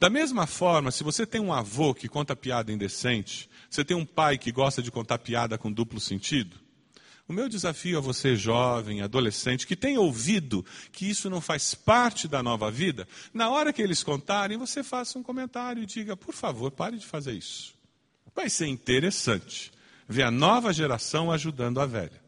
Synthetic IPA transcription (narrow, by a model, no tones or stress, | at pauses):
d̪̥ɐmezmɐfɔɾmɐsɪvoset̪ẽj̃ũavokɪkõnt̪ɐpiad̪ɐĩnd̪esẽnt͡ʃɪ̥voset̪ẽj̃ũpajkɪɡɔst̪ɐd͡ʒɪkõnt̪aɾpiad̪ɐkõd̪uplʊsẽnt͡ʃid̪ʊ | ʊmewd͡ʒɪzafiʊɛvoseʒɔvẽj̃ad̪olesẽnt͡ʃɪ̥kɪt̪ẽj̃owvid̪ʊkɪisʊnɐ̃w̃fajspaɾt͡ʃɪd̪ɐnɔvɐvid̪ɐnɐɔɾɐkɪelɪskõnt̪aɾẽj̃vosefasũkõmẽnt̪aɾjʊɪd͡ʒiɡɐpoɾfavoɾpaɾɪd͡ʒɪfazeɾḭsʊ̥ | vajseɾĩnt̪eɾesɐ̃nt͡ʃɪ̥ | veɐnɔvɐʒeɾasɐ̃w̃aʒud̪ɐ̃nd̪ʊavɛ̰ʎɐ